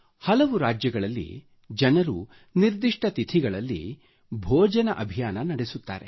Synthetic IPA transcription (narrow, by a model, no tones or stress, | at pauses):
hɐlɐʋuɾaːd͡ʒjɐɡɐɭɐlːḭ | d͡ʒɐnɐɾu | niɾd̪iʂʈɐt̪it̪ʰiɡɐɭɐlːḭ | bʱɔːd͡ʒɐnɐʔɐbʱijaːnɐnɐɽesut̪ːa̰ːɾḛ